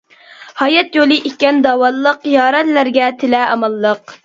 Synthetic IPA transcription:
hɑjɛt̪jolˠɨʔikʲːɛnd̪ɑːwɑlˠːəqjɑːɾɛt̪læɾɡʲɛt̪ʰɪlɛɑmɑlˠːəq

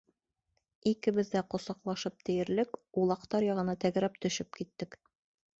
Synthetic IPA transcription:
ikɘ̆βɘ̆ðd̪æqŏsɑqlˠɑʃɤp̚t̪ɘ̆jɘ̆ɾlɘkulˠɑqt̪ɑɾjɑʁɤ̆nɑt̪æɡɾæp̚t̪ɵ̆ʃɘp̚kit̪ːɘk

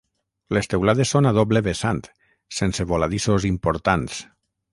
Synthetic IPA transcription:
lest̪ewlaðesːonaðɔβleβesant̪ | senseβolaðisozimpoɾt̪ans

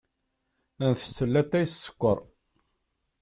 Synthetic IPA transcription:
ænθə̥sːəlːæt̪ːæjsːə̥kʷːəɾˤ

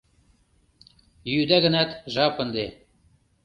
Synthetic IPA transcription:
jyd̪æɣə̆nɑt̪ʒɑpə̆nd̪e

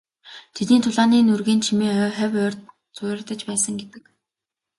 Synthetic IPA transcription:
t̪ʰet̪niːnt̪ʰʊɮaːniːnurɣeːnt͡ɕʰimiːŋœːχæwœːr | t͡sʊrt̪ə̆t͡ɕpæːsə̆ŋɡet̪ɘ̆k

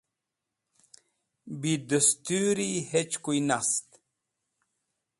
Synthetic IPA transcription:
bid̪əst̪yːɾihet͡ɕkujnast̪

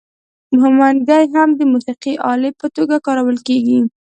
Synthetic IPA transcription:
mʊɦɪmand̪ajɦamd̪əmusiqiʔɑlepət̪oɡakɑɾawəlkeɡi

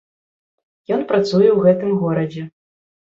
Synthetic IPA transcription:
jɔnpɾat̪sujɛwɣɛt̪ɨmɣɔɾɐd͡zʲɛ

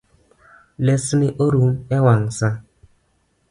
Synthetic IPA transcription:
lɛsiniʔoɾumɛwaŋsa

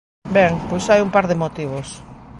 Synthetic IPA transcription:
bɛŋpojsajumpaɾðɪmot̪iβ̞os

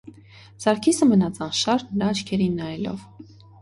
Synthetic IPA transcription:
z̥ɑɾkʰisəmənɑt͡sɑnʃɑɾnəɾɑːt͡ʃkʰɛɾinːɑjɛlɔ̰v

